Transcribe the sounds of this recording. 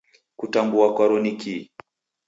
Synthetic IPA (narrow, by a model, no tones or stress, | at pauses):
kutambuakwaɾɔniki